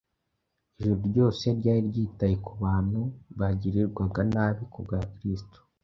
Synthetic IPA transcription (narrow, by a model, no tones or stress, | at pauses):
eʒuɾoɾɟo̞ːse̞ɾɟaːɾiɾɟiːtajekuβaːn̥huβaɟiɾiɾɡwaɡanaβikubɡakɾistu̥